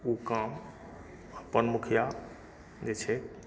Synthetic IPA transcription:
ukam | əpənmukʰija | d͡ʒet͡ʃʰɛ

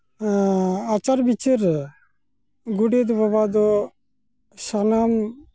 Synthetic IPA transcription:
at͡ʃaɾbit͡ʃəɾ | ɡuɖed̪bɔbad̪ɔ | sanam

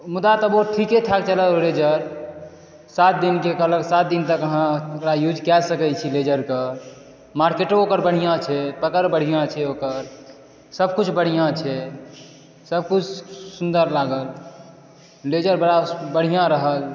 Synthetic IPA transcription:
mud̪at̪əboʈʰiket̪ʰak̚t͡ʃələoled͡ʒəɾ | sat̪̚d̪inkekələksat̪̚d̪int̪əkəɦãokɾajud͡ʒkɛlsəkət͡ʃʰiled͡ʒəɾkə | maɾkeʈookəɾbəɽ̤ijãt͡ʃʰɛpəkəɾbəɽ̤ijãt͡ʃʰɛokəɾ | səb̚kut͡ʃʰbəɽ̤ijãt͡ʃʰɛ | səb̚kut͡ʃʰsund̪əɾlaɡəl | led͡ʒəɾbəɽabəɽ̤ijãɾəɦəl

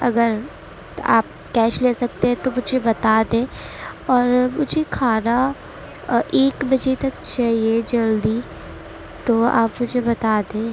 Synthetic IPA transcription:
ɐ̰ɡəɾ | a̰ːp̚ | kɛːʃleːsɐk̚t̪eɦɛ̃t̪omʊd͡ʒʱebɐt̪aːd̪ẽːɔːɾmʊd͡ʒʱekʰaːɾa | ʔeːkbɐd͡ʒet̪ɐk̚t͡ʃaːɦied͡ʒɐld̪i | t̪oa̰ːpmʊd͡ʒʱebɐt̪aːd̪ẽː

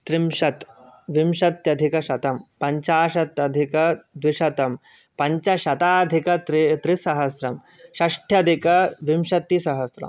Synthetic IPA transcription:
t̪ɾimʃɐt̪ʋimʃɐt̪jɐd̪ʱikɐʃɐt̪ɐmpɐɲt͡ʃaːʃɐt̪jɐd̪ʱikɐd̪ʋiʃɐt̪ɐm | pɐɲt͡ʃɐʃɐt̪aːd̪ʱikɐt̪ɾit̪ɾisɐɦɐsɾɐm | ʃɐʂʈʰjɐd̪ʱikɐʋimʃɐt̪ːisɐɦɐsɾɐ̰m

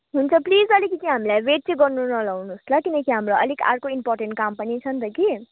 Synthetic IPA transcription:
ɦunt͡sʰʌplid͡zʌlikit͡siɦamilajbeʈ̚t͡siɡʌɾnunʌlawnuslʌkinʌkiɦamɾoʌ̰lika̰ɾkoimpɔɾʈeɳʈ̚kampʌnit͡sʰʌnt̪ʌki

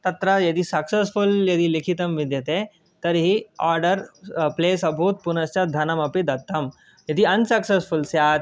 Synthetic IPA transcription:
t̪ɐt̪ɾɐjɐd̪isɐksesfuljɐd̪ilikʰit̪ɐmʋid̪jɐt̪e | t̪ɐɾɦiaːɾɖəɾpleːsɐbʱut̪̚punɐst͡ʃad̪ʱɐnɐmɐpid̪ɐt̪ːɐm | jɐd̪iɐnsɐksesfulsjaːt̪

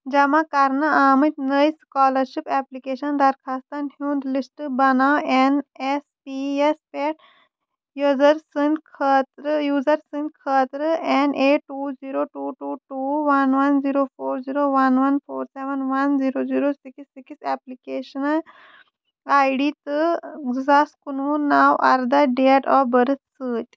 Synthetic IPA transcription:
d͡ʒɐmãkɐɾnɐaːmit̪nəjskaːlɐɾʃipɛplikeːʃɐnd̪ɐɾkʰaːst̪ɐnhũːnd̪lisʈbɐnaːenespiespeʈʰ | jzɐɾsinkʰət̪ɾɨjuːzɐɾsint̪kʰəːt̪ɾɨɛneːʈːuːziːɾoːʈuːʈuːʈuːʋɐnʋɐnziːɾoːfʰoːɾziːɾoːʋɐnʋɐnfʰoːɾseʋənʋɐnziːɾoːziːɾoːsiksiksɛplikeːʃɐnɐl | aːjɖiːt̪ɨzaskununaːwʔaɾd̪ɐɖeʈɔbɐɾɨt̪sɨːtʲ

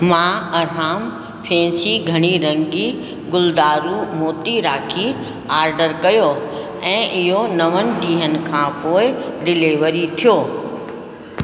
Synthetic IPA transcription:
mãːɐɾaːm | pʰɛ̃ːsiɡʱɐɽ̃iɾɐ̃ŋɡi | ɡʊld̪aːɾumoːt̪iɾaːkʰi | aːɾɖəɾkɐjo | ɛ̃ːʔɪɦonɐʋənɪ̆ɗiːɦənɪ̆kʰãːpoːɪɖɪleʋəɾit̪ʰijoː

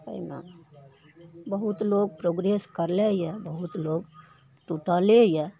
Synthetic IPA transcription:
kə̰ina̰ | bəɦut̪loɡ̚pɾoɡɾeskəɾlejɛbəɦut̪loɡ | ʈuʈalejɛ

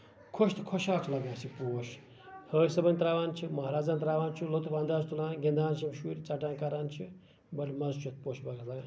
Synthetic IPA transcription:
kʰoʃt̪ʰkʰoʃaːt͡ʃʰlɐɡãːsipoːʃ | həːjsɐbɐnʲt̪ɾaːʋaːnt͡ʃʰimɐɦaɾaːd͡zaːnt̪ɾaːʋaːnt͡ʃʰulot̪upʰand̪aːzt̪ulaːnɡind̪ʱaːnsimʃuɾʲt͡saʈaːnkaɾaːnt͡ʃʰi | bɐlʲimɐzt͡ʃʰut̪̚ʰpoːʃbakʰlaɡaː

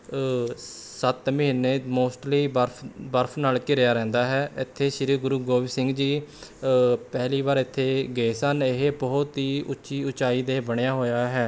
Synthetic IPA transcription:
sət̪məɦɪnːeːmoːsʈliːbəɾʰbəɾpʰnaːlkɪɾjaːɾɛ̃ːnd̪aːɦɛːɪt̪ʰːeːʃɪɾiːɡʊɾuːɡoːʋiːsɪ̃ŋɡd͡ʒiː | pɛɦliːβaːɾɪt̪ʰːeːɡeːsəneɦbɔːʊt̪ɦiːʔʊtːʃiːʊt͡ʃaːiːd̪eːbəɽ̃ejaːɦoːjaːɦɛː

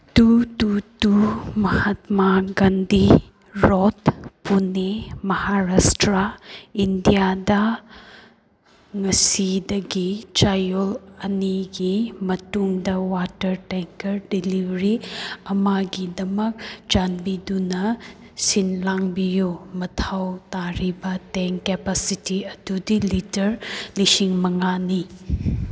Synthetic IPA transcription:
tututumɐhɐtmaɡandi | ɾotpunemɐhaɾastɾaindijadɐ | ŋɐsidɐɡit͡ʃajolɐniɡimɐtuŋdɐwatɐɾteŋkɐɾdilibɾiɐmaɡidɐmɐk̚d͡ʒanbidunɐ | sinlaŋbijomɐtʰawtaɾibɐteŋkepasitiɐdudilitɐɾlisiŋmɐŋani

